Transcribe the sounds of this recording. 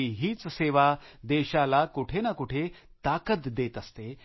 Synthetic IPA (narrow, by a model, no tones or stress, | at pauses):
iɦiːt͡sseʋad̪ɛɕalakuʈʰenakuʈʰet̪akət̪d̪et̪əst̪e